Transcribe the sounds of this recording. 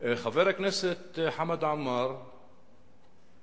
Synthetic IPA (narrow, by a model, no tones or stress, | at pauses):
xaveːɾaknɪsɪt̪ħamad̪ʕamːɑːɾˤ